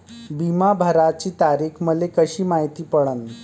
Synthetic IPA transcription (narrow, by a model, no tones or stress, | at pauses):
bimabʱəɾat͡ɕiːt̪aɾiːkʰməd͡zekəɕiːmaɦit̪iːpəɽən